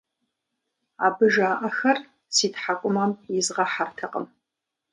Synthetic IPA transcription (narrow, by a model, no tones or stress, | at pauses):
aːbɨʒaːʔɐxɐr | siːtħakʷʼʊmɐmjɪzʁɐħartʰɐqʼə̰m